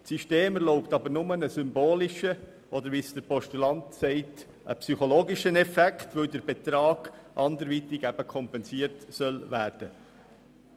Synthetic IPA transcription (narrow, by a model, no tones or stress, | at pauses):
siʃteːmɛɾlɔʊptɑbəɾnʊmənəsʏmboːlɪʃə | ʔɔd̪əɾʋisd̥əɾpɔʃtulɑntsɛɪt | ʔə̰psyχɔloːɡɪʃənɛfɛktʋøʊdəɾb̥et̪ɾɑːɡ̥ʔɑndəɾʋitɪɡæb̥əkʰɔmpɛnsiəɾtsœlvæːrd̥ə